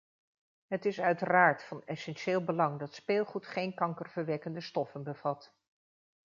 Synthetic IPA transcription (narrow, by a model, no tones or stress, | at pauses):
ɦətɪsœɥtəraːɹtfɑnɛsɛnʃeːlˠbəlɑŋdɑtspeːlˠχutχejnkɑŋkərvəɹʋɛkəndəstɔfənbəv̥ɑt